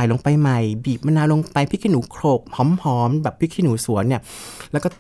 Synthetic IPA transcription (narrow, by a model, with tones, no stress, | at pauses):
jlo˧ŋpa˧jma˨˩jbiː˨˩p̚ma˧naː˧lo˧ŋpa˧jpʰi˦˥kʰi˧nuː˩˦kʰɾoː˨˩k̚hɔː˨˦˥mhɔː˦˥mbɛː˨˩pʰːi˦˥kʰːi˧nuː˩˦su˨˩˦ənːi˥˩əlɛː˦˥wkɔː˥˩